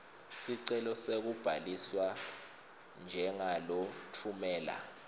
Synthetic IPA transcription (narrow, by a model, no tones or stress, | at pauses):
siǀɛlɔsek̬ub̥ʱaliswa | nd͡ʒʱɛŋalɔtʰumɛːla̰